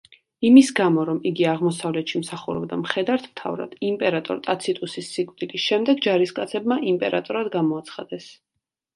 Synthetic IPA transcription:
imisɡamɔɾɔmiɡiaʁmɔsavlɛt̪ʃimsaχuɾɔ̰bd̪amχɛd̪aɾt̪ʰmt̪ʰa̰vɾa̰d̪̥impʼɛɾat̪ʼɔ̰ɾt̪ʼat̪sʰit̪ʼusisːikʼvd̪ilisʃɛmd̪ɛɡd͡ʒaɾiskʼat̪sʰɛbmaʔimpʼɛɾat̪ʼɔɾad̪ɡamɔat̪sʰχad̪̥ɛs

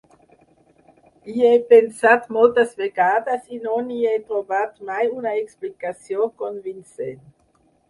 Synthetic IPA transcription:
iepensat̪molt̪asveɡaːd̪asinoniejt̪ɾobat̪majunaeksplikasjoŋkonvinsen

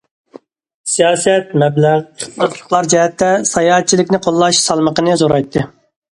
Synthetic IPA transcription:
sijɑːsɛt̪mɛblæʁʰələt̪lˠə̥qlˠɑɾd͡ʒɛɦɛt̪ːɛsɑjɑɦɛt̪̚t͡ʃʰːilɪkʲnɪqʰolˠːɑʃsɑlˠməqənɨzoɾɑjt̪ʰːɨ

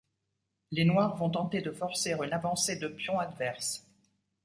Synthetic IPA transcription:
lenwaʁvɔ̃t̪ɑ̃t̪ed̪əfɔʁseʁynavɑ̃sed̪əpjɔ̃ad̪vɛʁs

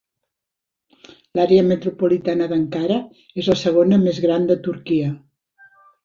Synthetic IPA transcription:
laɾeəmət̪ɾupulit̪anəðəŋkaɾə | ezləsəɣ̞onəmezɣɾand̪ət̪uɾkiə

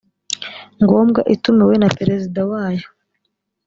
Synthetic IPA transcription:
ŋɡo̞ːmɡaʔitumiwenapeɾe̞zidawaːjo

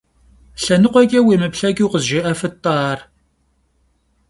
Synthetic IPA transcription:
ɬɐnɨqʷɔɡʲʼɐweːmɨpɬɐɡʲiwqəzʒɪʔɐfɨtʼːɑːr

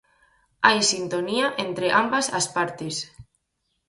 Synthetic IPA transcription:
ajsint̪oniaʔent̪ɾeʔambasa̰spaɾt̪es

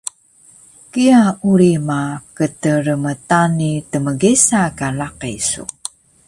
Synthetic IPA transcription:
kiauɾimakətəɾəmətanitəməɡisakalaqisṵ

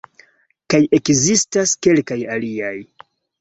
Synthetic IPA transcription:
kaje̞kzistaske̞lkajaliaj

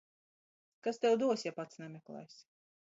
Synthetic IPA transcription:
kast̪ɛwd̪uɔsʲjapat̪snɛmʲɛklˠa̰jsʲ

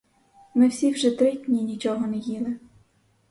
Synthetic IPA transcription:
mɪwsʲiwʒɛt̪ɾɪdʲnʲinʲit͡ʃɔɦɔnɛjilˠɪ

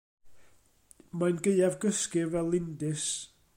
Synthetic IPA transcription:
manɡeɨavɡəskɪvɛlˠɪndɪs

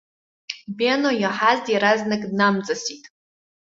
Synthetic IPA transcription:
benojaħazdjaɾaznɨkʼdnamt͡sʼasitʼ

